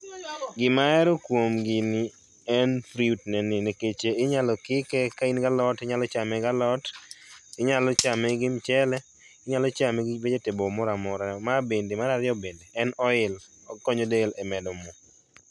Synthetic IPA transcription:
ɡɪmaɛɾɔkwomɡɪnɪ | ɛnfɾiutnɛnɪneket͡ʃeɪɲalɔkɪkɛkainɡalɔtɪɲalɔt͡ʃamɛɡalɔt | ɪɲalɔt͡ʃamɛɡɪmt͡ʃɛlɛ | ɪɲalɔt͡ʃamɛɡɪbed͡ʒetɪbɔmɔɾamɔɾamabendemaɾaɾɪɔbendeɛnɔɪl | ɔkɔɲodelɛmɛdɔmɔ

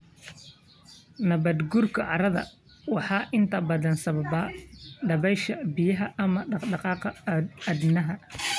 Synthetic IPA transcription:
nɐβɐd̪ɡʊrkʰɐʕɑɾɐðɐ̰ | wɑħɑːʔɪnt̪ʰɐbɐðɐnsɐβɐβɐɖɐβɛjʃɐbijɐɦɐʔːmɐɖɑɖɑqɑːqɐɐd̪nɐɦɐ

